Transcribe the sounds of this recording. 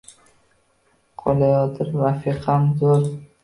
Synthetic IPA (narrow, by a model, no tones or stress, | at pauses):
qʰolajɒd̪ɪɾɾafiqʰamzoɾ